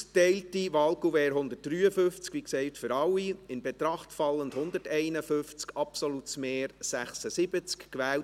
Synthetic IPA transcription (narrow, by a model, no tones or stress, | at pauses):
stɛɪltiʋɑːlkuvɛːɾɦʊnd̪ət̚d̥ryːəfʏft͡skʋiksɛɪtfʏɾɑwːiɪnbɛt̪ɾɑχtfɑlːəndhʊnd̪ətɛɪnəfʏnft͡skʰɑpsolutsmeːɾsæχsəsɪb̥ət͡skkʋɛːwt